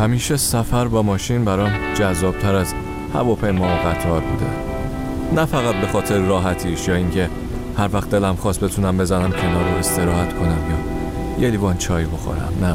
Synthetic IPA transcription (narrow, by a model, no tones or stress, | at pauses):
hæmiːʃesæfæɾbɒːmɒːʃinbæɾɒmd͡ʒæzːɒːb̥̚t̪ʰæɾæz | hæ̰vɒːpʰe̞jmɒːɣæt̪ʰɒːɾbuːd̪e̞̰ | næfæɣæt̪̚be̞xɒːt̪ʰe̞ɾeɾɒːɦæt̪ʰiːʃjɒːiŋcʰe̞ | hæɾvæxt̪̚d̪e̞læmxɒːst̪be̞t̪ʰunæmbe̞zænæmcʰe̞nɒːɾoe̞st̪ʰe̞ɾɒːhæt̪kʰo̞næmjɒː | jelibɒːnt͡ʃʰɒːjboxo̰ɾæ̰mnæ